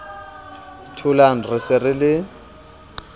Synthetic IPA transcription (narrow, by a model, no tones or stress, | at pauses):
tʰʊlaŋ̩rɪsɪrɪlɪ